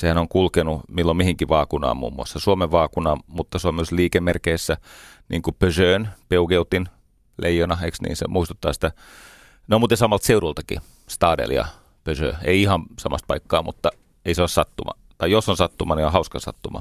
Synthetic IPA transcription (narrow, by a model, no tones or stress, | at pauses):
sehænoŋkulkenumilːommihiŋkiʋɑːkunɑ̰ːmmṵːmːṵɑ̰sːɑsuomeʋʋɑːkunɑːmut̪ːɑsuomsliːkemːerkeisːæniːŋkupøsøːnpeukeut̪ːin | lʔḛijːonɑhḛksnḭːnsḛmʔuist̪u̥t̪ːɑ̰ːsi̥t̪æ | nomuːt̪ːesɑmɑlt̪seurult̪ɑkḭ | st̪ɑːdḛljɑ̰ | pøsø̰ːeiihɑmsɑmɑ̰st̪̚pɑikːɑ̰ːmut̪ːɑ | eiseossɑt̪ːumɑ̰ | t̪ɑijosːonsɑt̪ːumɑniohɑuskɑsɑ̰t̪ːumɑ̰